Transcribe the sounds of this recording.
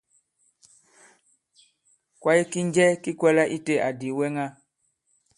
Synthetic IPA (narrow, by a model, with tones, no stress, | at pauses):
kwa˦ji˦ki˦ɲ˦d͡ʒɛ˦ki˦kwɛ˦la˦ʔi˦te˦ʔa˨di˨˦wɛ˦ŋa˦